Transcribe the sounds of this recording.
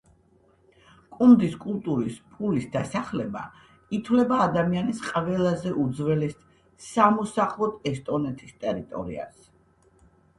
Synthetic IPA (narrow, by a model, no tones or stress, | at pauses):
kʼund̪iskʼulˠt̪ʼuɾispʰulisd̪asaχlɛba̰ | it̪ʰwlɛbaːd̪amianisqʼvɛlˠazɛʔud̪zvɛlɛs | samɔsaχlˠɔt̪ʰɛst̪ʼɔnɛt̪ʼist̪ʼɛɾit̪ʼɔ̰ɾḭa̰s